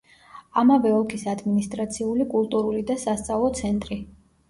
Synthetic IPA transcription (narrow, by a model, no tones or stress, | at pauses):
amavɛɔlˠkʰisad̪minist̪ʼɾat̪sʰiulikʼulˠt̪ʼuɾulid̪asast̪sʼavlˠɔt̪sʰɛnt̪ʼɾi